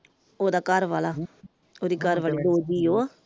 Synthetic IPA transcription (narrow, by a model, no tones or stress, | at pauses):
oːd̪aːkəɾʋaːlaː | oːd̪iːkəɾʋaːliːd̪oːd͡ʒiːoː